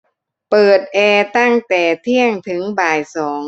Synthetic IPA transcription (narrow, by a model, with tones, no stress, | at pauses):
pɤː˨˩t̪̚ʔɛː˧t̪a˥˩ŋt̪ɛː˨˩t̪ʰi˥˩əŋt̪ʰɯ˩˦ŋbaː˨˩jsɔː˩˦ŋ